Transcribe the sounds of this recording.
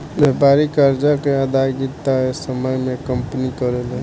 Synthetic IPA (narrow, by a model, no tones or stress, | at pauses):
bɛpaɾikəɾd͡ʒakeəd̪aɡit̪aɦesəməjmẽkəmpənikəɾele